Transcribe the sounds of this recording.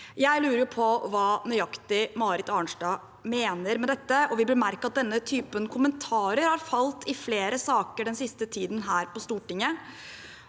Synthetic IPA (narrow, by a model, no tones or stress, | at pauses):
jæɪlʉːɾəɾjʊpʰɔʋɑːnœʏɑkt̪ɪmɑːɾɪt̪ɑɳʂɖɑː | meːnəɾmɛd̪ɛt̪ːəʔɔʋɪb̪əɾmæɾkɑt̪̚d̪ɛnːət̪ʰyːpənkʰʊmənt̪ʰɑːɾəɾhɑɾfɑlt̪ʰɪfleːɾəsɑːkəɖɛnsɪst̪ət̪ʰiːd̪nɦæːɾpɔst̪uːʈɪŋːə